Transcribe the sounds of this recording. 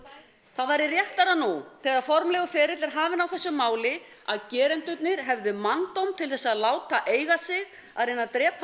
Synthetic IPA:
θaðvajɾɪrjɛht̪aɾanuθɛɣaðfɔɾmlɛɣʏfɛːɾɪt̪lɪɾ̥ɦaːvɪnawθɛsːʏmaːwlɪ | a̰ðcɛːɾɛnt̪ʏt̪nɪɾ̥ɦɛvðʏmant̪owmt̪ʰɪlθɛsːaðlaːwt̪aʔeːjɣasɪɣ | a̰ðɾɪnːat̪ɾɛːp

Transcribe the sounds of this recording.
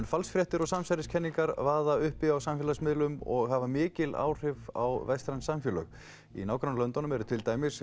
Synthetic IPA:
nfalsfɾjɛht̪ɪɾɔɣsamsajɾɪscʰɛnːiŋkaɾvaːðaʏhpɪawsamfjɛlasmɪðlʏmɔɣhavamɪːcɪla̰ːwr̥ɪva̰wvɛjst̪ɾansːamfjʏlœ̰ɣ | ḭnaːwkɾanlœnt̪ɔnʏmɛɾʏt̪ʰɪlt̪aːjmɪs

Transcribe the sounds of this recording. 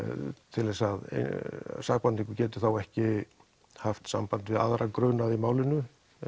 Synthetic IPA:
t̪ʰɪlɛsað̰saxpant̪iŋkʏcɛːt̪ʏ̥θawɛhcɪ | haft̪sa̰mpant̪vɪða̰ðɾakɾœːnaðimaːwlɪnːʏ

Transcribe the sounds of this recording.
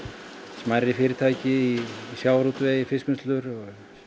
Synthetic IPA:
smajrːɪfɪːɾɪɾt̪ʰaːjcɪiisjaːwɾuːt̪vɛːjfɪskʏnst̪lʏɾɔɣɣ

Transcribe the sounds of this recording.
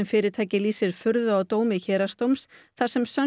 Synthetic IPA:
ɛnfɪːɾɪɾt̪ʰaːjcɪliːsɪɾ̥fʏɾðʏawt̪oːwmɪçɛːɾast̪owmsθaɾ̥sɛmsœ

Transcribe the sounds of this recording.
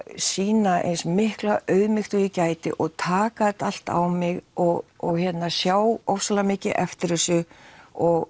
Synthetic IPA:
siːnaʔḛjnsmɪhklaʔœɥðmɪxt̪ʏicaːjt̪ɪ̰ʔɔɣt̪ʰaːkaðɛt̪al̥t̪a̰wmɪɣɔɣɔɣçɛt̪nasjaːwɔfsalamɪːcɪʔɛft̪ɪɾɪsʏɔɣ

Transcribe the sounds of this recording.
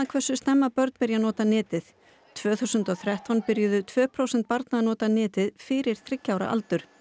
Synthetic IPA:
akʰvɛrsʏst̪ɛmːapœɾt̪pɪɾjanɔːt̪anɪːt̪ɪð̥ | t̪ʰv̥œːθuwsʏnt̪ɔɣθɾɛht̪vanpɪɾjʏðʏt̪ʰvœːpʰɾowsɛnt̪̚paɾt̪naðnɔːt̪anɪːt̪ɪðfɪɾɪɾ̥θɾɪcːawɾa̰ʔa̰lt̪ʏɾ̥

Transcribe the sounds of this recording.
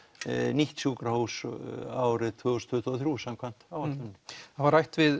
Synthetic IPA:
niht̪sjukɾahuwsaːwɾɪðt̪ʰvʏːɣust̪ʰvʏːt̪ʰɔθɾjuːsamkʰvan̥t̪awvat̪lʏnnavaɾajht̪vɪð

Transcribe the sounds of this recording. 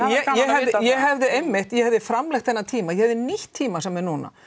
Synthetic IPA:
jɛjɛɦɛvðɪjɛɦɛvðɪejmːɪht̪jɛhɛvðɪfɾamlɛxt̪θɛnːat̪ʰiːmajɛhɛvðɪniht̪ʰːiːmasɛmɛɾnuːna̰

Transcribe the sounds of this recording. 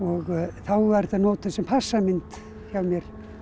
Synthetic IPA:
ɔɣθawvɛɾθanoːwt̪ʏsɛmpʰasːamɪnt̪ | çawmjɛɾ̥

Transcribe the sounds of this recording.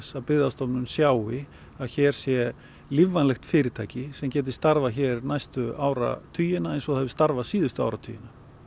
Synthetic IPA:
saðpɪðast̪ɔpnʏnsjaːwɪ | aðçɛːɾ̥sjɛ | livːanlɛxt̪fɪːɾɪt̪ʰaːjcɪsɛmcɛːt̪̬ɪst̪aɾvaçɛːɾnajst̪ʏaːwɾa̰t̪ʰyːjɪnaejnsɔɣɛvɪst̪aɾvaðsiːðʏst̪ʏa̰wɾat̪ʰy̰jɪna

